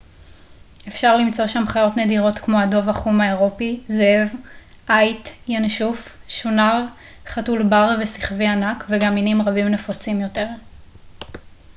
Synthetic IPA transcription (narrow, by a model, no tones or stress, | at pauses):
efʃaʁlimt͡so̞ʃamχajo̞tnediʁo̞tkmo̞ado̞vaχumaeʁo̞pizev | ʔajtjanʃufʃunal | χatulbaʁvesi̥χvianakveɡaminimʁabimnefot͡simjo̞te̞ʁ